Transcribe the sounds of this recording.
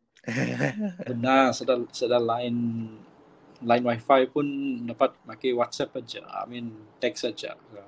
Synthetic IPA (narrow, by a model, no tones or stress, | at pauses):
bənasədasədalaɪn | lajĩnwajfajpunədapat̪̚makajwat̪sɛpad͡ʒə̰a̰mĩntɛksad͡ʒə̰a